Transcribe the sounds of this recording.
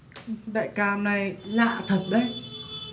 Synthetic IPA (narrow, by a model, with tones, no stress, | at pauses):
ɗa̰ː˧˨jkaː˧mna˨˩jla̰ː˧˨t̪ʰə˨˩p̚ɗə˨˦j